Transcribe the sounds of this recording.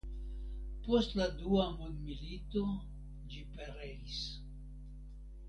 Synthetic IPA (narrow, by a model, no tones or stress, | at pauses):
postladuamundmilito | d͡ʒipeɾeis